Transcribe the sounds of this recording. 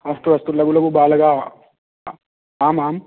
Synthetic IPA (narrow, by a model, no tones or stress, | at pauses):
ɐsʈuʋɐst̪ulːɐɡulɐkubaːlɐɡaː | aːmaːm